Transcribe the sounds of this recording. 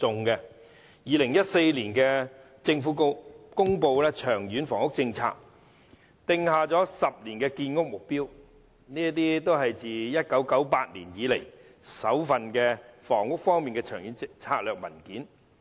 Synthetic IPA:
t͡sʊ˨ŋkɛ˧ | jiː˨˧lɪ˨˩ŋjɐ˥t̚se˧jliː˨˩nkɛː˧ | t͡sɪ˧ŋfuː˨˥kkʊ˥ŋpo˧wlɛ˥t͡ʃʰœː˨˩ŋjyː˨˥nfɔː˨˩ŋʊ˥k̚t͡sɪ˧ŋt͡sʰa̰ː˧k̚ | t̪ɪ˧ŋhaː˨˧t͡sɔː˨˥sɐ˨p̚liː˨˩nkɛː˧kiː˧nŋʊ˥k̚mʊ˨k̚piː˥w | niː˥t̪iː˥t̪o˥wɦɐ˨jt͡siː˨jɐ˥t̚kɐ˨˥wkɐ˨˥wpaː˧t̚liː˨˩njiː˨˧le˨˩j | sɐ˨˥wfɐ˨nkɛː˧fɔː˨˩ŋʊ˥k̚fɔː˥ŋmiː˨nkɛ˧t͡ʃʰœː˨˩ŋɥyː˨˥nt͡sʰaː˧k̚lœː˨k̚mɐ˨˩nkiː˨˥n

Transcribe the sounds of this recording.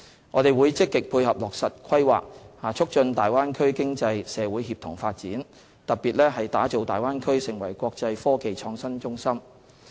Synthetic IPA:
ŋʔɔː˨˧t̪e˨jwu˨˧jt͡sɪ˥kːɪ˨k̚pʰuː˧jhɐ˨p̚lɔː˨k̚sɐ˨t̚kʰɐ˥jwa̰ː˨˩k̚haː˨t͡ʃʰʊ˥k̚t͡ʃɵ˧nt̪aː˨jwaː˥nkʰɵ˥ɥkɪ˥ŋt͡sɐ˧jsɛː˨˧wuː˨˥jhi˧p̚t̪ʰʊ̰˨˩ŋfaː˧t̚t͡siː˨˥n | t̪ɐ˨t̚pːiː˨t̚lɛː˥ɦɐ˨jt̪aː˨˥t͡so˨˧wt̪aː˨˩jwaː˥nkʰɵ˥ɥsɪ˨˩ŋwɐ̰˨˩jkʷɔː˧k̚t͡sɐ˧jfɔː˥ke˨jt͡ʃʰɔː˧ŋsɐ˥nt͡ʃʊ˥ŋsɐ˥m

